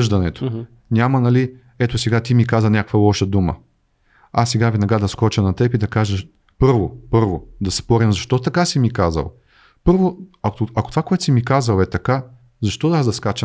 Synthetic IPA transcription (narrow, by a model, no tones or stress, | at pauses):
ʒd̪ɐnɛt̪o̥ | nʲamɐnɐli | ɛt̪osɛɡat̪imikazɐnʲakkvəlˠɔʃɐd̪umə̰ | asːɛɡavɛnɐɡad̪ɐskɔt͡ʃɐnɐt̪ɛpid̪ɐkaʒə | pɤɾvopɤɾvod̪ɐspɔɾʲimzɐʃt̪ɔt̪ɐkasimikazɐ̰lˠ | pɤɾvoɐkoɐkot̪vakoɛt̪o̥simikazɐlˠɛt̪ɐka | zɐʃt̪ɔd̪azd̪ɐskat͡ʃə